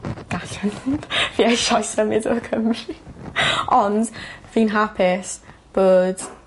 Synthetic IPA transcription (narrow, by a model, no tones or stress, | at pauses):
ɡ̥aɬanviaʃɔjsəmɪdo̰kʰəmri | ɔndviːnɦapʰɪs | b̥oːd̥